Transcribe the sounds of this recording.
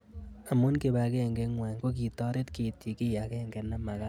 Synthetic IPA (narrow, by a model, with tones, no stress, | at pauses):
a˨mu˦nke˨ba˨ke˦˨ŋɡe˦ŋwa˨ŋko˦k̬i˨tɔ˦ɾe˦tke˨ti˨kɪ˦ja˨ke˦ŋɡɛ˨na˦ma˨ka˦